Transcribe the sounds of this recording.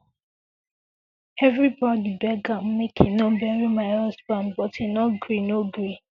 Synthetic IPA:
ɛvɹibɔdibɛɡãmmekʰinomɛɹimaɪɔsbãnbɔtinɔɡɹinoɡɹi

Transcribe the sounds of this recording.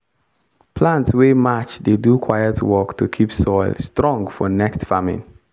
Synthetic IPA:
pʰlãntswemat͡ʃdedukʰwajətʰwɜktʰukʰipsɔɪlstɹɔ̃ŋfɔnɛkstfamɪ̰̃n

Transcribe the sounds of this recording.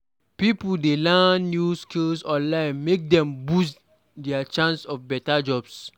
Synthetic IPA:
pipuldelanːjuskilsɔ̃nlãɪ̃nmek̚dɛ̃mbus | dɛat͡ʃãnsɔfbɛtad͡ʒɔbs

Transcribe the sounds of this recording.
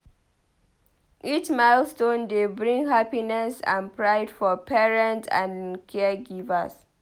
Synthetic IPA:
ʔit͡ʃmaɪlstõndebɹĩŋɡɦapinɛsã̰npɹaɪdfɔpɛɹɛ̃ntã̰nkʰɛɡivə̰s

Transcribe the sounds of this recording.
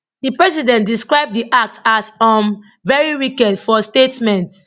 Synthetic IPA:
dipɹɛsidɛ̃ntdiskɹaɪb̚diʔak̚tʰasɔ̃m | vɛɹiwikɛdfɔstetmɛ̃nt

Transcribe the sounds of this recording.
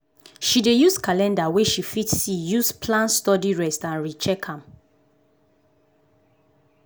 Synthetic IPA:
ʃidejuskalɛ̃ndaweʃifitsijuspʰlãnstɔdiɹɛstãnɹit͡ʃɛkʰãm

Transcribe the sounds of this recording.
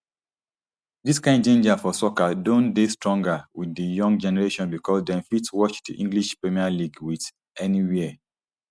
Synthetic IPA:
diskãɪ̃ndd͡ʒẽnd͡ʒafɔsɔkadõndestɹɔ̃ŋɡawiðəjɔ̃ŋɡd͡ʒɛnɛɹeʃɔ̃nbikʰɔsdɛ̃nfitswɔt͡ʃdiʔĩŋɡliʃpɹɛmialiɡwið | ɛniwiə

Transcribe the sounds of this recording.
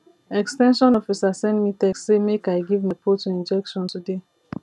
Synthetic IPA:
ɛkstɛ̃nʃɔ̃nɔfisasɛ̃nmitɛkssemekaɪɡivmapʰotuĩnd͡ʒɛkʃɔ̃ntude

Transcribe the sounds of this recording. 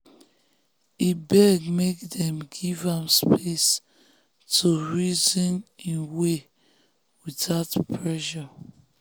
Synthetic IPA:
ibɛɡmekdɛ̃mɡivãmspʰes | tʰuɹizɔ̃nĩnwe | widaʊtpʰɹɛʃɔ

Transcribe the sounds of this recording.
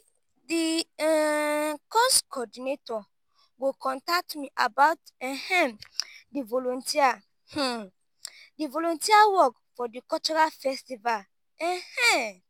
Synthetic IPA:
di | kɔskɔdinetɔ | wikɔ̃ntak̚tmiʔa̰baʊtɛ̃hɛ̃divɔlɔ̃ntʰia | h̩ | divɔlɔ̃ntiawɔk | fɔdikɔt͡ʃɔɹalfɛstival | ɛ̃hɛ̃

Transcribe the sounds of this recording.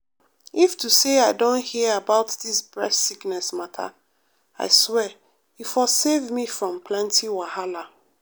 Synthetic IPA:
iftʰuseaɪdõnthiəabaʊtðisbɹɛssiknɛsmatʰa̰ | a̰ɪswɛ | ifɔsevmifɹɔ̃mpʰlɛ̃ntʰiwahala

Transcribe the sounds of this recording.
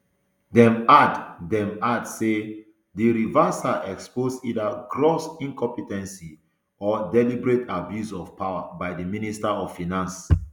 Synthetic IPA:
dɛ̃maddɛ̃madse | diɹivasaʔɛksposidaɡɹosĩnkɔ̃mpitɛ̃nsi | ɔdɛlibɹetʰabjusɔfpawabajdəministaɔv̥finãns

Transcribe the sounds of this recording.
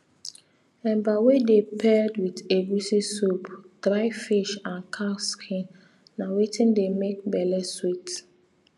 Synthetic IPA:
ɛ̃bawedepʰɛdwitebusisopd̥ɾaɪfiʃãnkʰaskʰĩnː | awetʰĩndemek̚bɛlɛswit

